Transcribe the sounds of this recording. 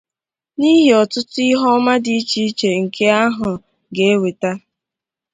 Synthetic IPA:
ni˦ɦi˨ɔ˨tʊ˦tʊ˦i˦ɦɔ˦ma˦di˦i˦t͡ʃi˦i˦t͡ʃe˨ŋ̩˨kʰe˦a˦ɦʊ˨ | ɡe˨e˦we˨ta˦

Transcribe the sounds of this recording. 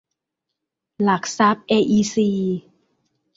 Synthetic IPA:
la˨˩k̚sa˦˥p̚ʔeː˧ʔiː˧siː˧

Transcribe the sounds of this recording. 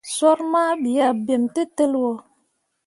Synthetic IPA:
swɔ˦ɾma˦bi˨a˨be˨mte˦tə˦lwɔ˨

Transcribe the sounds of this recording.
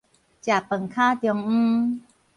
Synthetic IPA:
t͡ɕa˨˩pə˨˩ŋkʰaː˥˩t̪i˧˩˧ŋ̩ː˧

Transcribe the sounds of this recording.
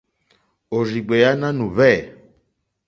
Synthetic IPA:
o˨zi˨ɡ͡bɛ˨ja˦na˦nũ˨βɛ˦˨

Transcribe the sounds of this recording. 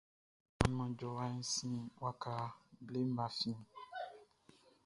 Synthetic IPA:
ɔ̃˨nɔ̃˨d͡ʒɔ˨wã˦ñ˦sĩ˦wa˦ka˨ble˦mã˨fĩ˦

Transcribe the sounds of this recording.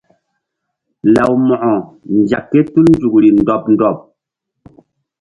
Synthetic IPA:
la˨wmɔ˨ʔɔ˨ | n˨d͡ʒa˨kːɛ˦tu˦ln˦d͡zu˨k̚ɾi˨n̩˨dɔ˨p̚n̩˦dɔ˨p̚

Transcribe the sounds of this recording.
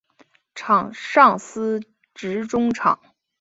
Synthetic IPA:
ʈ͡ʂʰɑ˨˩ŋʂɑ˥˩ŋsɹ̩˥ | ʈ͡ʂɻ̩˧˥ʈ͡ʂʊ˥ŋʈ͡ʂʰɑ̰˨˩˦ŋ

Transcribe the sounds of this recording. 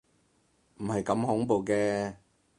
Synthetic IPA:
m̩˨˩hɐ˨jkɐ˧mhʊ˨˥ŋpo˨wkɛː˧

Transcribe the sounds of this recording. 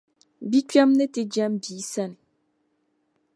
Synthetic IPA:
bi˦kɥa˦mnɛ˦te˨d͡ʒa˦mbi˨˦sɛ˦˨n

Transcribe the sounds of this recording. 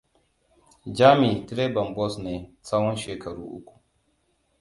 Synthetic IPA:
d͡ʒaː˦mi˨tɾe˦bɐ˨mbɔ˦sneː˨sa˦wɔ˦nʃeː˨kʰɐ˨ɽṵː˦ʔʊ̰˦kʷu̥˨

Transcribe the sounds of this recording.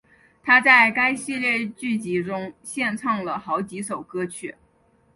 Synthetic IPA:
t̪ʰa˥t͡sa˥˩ɪka˥ɪɕi˥˧ljɛ˥˧t͡ɕy˥˩t͡ɕi˧˥ʈ͡ʂʊ˥ŋɕjɛ˥˧nʈ͡ʂʰɑ˥˩ŋlə˩xɑ˧˥ʊt͡ɕi˧˥ʂo˨˩ʊkɤ˥t͡ɕʰy˥˩

